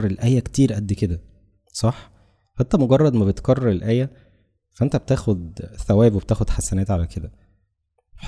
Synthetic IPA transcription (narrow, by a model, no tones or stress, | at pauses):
ɾelʔæːjːækt̪iːɾʔæd̪ːked̪æ | sˤɑħ | hæt̪ːæmoɡɑrˤːɑd̪mæbet̪kɑrˤːɑɾelʔæːjːæ | fæʔent̪æb̚et̪æːxod̪θæwæːbweb̚t̪æːxod̪ħasːænæːt̪ʕalæked̪æ | ħ